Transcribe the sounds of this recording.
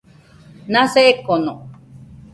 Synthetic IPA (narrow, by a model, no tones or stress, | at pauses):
nãseekono